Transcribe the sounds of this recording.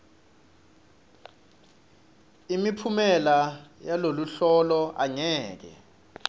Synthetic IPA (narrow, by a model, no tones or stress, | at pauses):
imipʰumɛlajaloluɬɔlɔʔaŋɛːk̬ɛ̰